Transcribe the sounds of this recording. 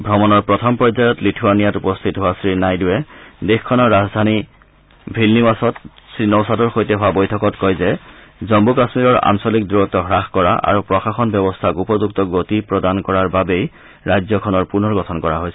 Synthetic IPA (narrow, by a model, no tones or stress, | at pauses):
bʱɹɔmɔnɔɹpɹɔtʰɔmpɹɔzajɔtlitʰʊwanijatupɔstʰitɦʊwasɹinajduwɛdexkʰːɔnɔɹːazdʱani | bʱɹilnimasɔtsɹinɔwsatɔɹxojtɛɦʊabojtʰɔkɔtkɔjzɛzɔmbukasmiɹɔɹa̰nsɔlikdujɔtɔɦɹaxkɔɹa̰ʔa̰ɹupɹɔxaxɔnbjɔbɔstʰakupɔzuk̚tɔɡotipɹɔdankɔɹaɹbabej | ɹajzjɔkʰɔnɔɹpunɔɹɡɔtʰɔnkɔɹa̰ɦojsɛ